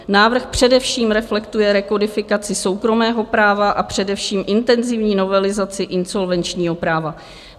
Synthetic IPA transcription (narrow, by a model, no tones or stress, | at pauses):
naːvr̩xpr̝̥ɛdɛfʃiːmɾɛflɛkt̪ujɛɾɛko̞dɪfɪkat͡sɪso̞wkɾo̞mɛːɦo̞pɾaːvaʔapr̝̥ɛdɛfʃiːmʔɪnt̪ɛnzɪvɲiːno̞vɛlɪzat͡sɪʔɪnso̞lvɛnt͡ʃɲiːɦo̞pɾaːva